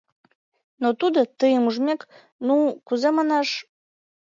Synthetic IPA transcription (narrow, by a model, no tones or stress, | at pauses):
not̪ud̪ət̪əjəmuʒmʲek | nukuzemɑnɑʃ